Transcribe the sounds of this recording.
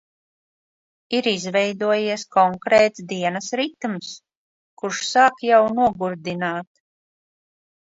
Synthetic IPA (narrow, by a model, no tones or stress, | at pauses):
iɾizvɛjd̪uɔjiɛskɔŋkɾɛːt̪sd̪iɛnasɾit̪ums | kuɾʃsaːkjawnuɔɡuɾd̪inaːt̪